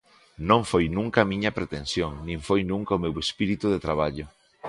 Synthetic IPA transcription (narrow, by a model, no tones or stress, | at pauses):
nõɱfojnũŋkamĩɲɐpɾet̪ẽnsjoŋnĩɱfojnũŋkaomewespiɾit̪uðet̪ɾaβ̞aʎʊ